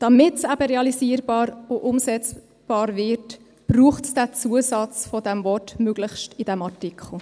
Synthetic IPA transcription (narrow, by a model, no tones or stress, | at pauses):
d̥ɑmɪtsæb̥əɾeɑlisiːəɾbɑːɾʊʔʊmsɛt͡s | b̥ɑːɾvɪɾt | b̥ɾuːχtsd̥æt͡suːəsɑt͡sfɔdɛmvɔtmøɡ̥ləχʃtid̥ɛmɑtikʰχl̩